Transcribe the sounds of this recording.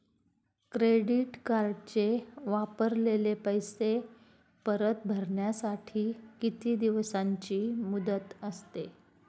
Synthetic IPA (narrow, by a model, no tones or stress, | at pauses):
kɾeɽiʈkaɾɖt͡ɕeʋapəɾlelepəjse | pəɾət̪̚bʱəɾɳjasaʈʰiːkit̪iːd̪iʋsaɲt͡ɕiːmud̪ət̪əst̪e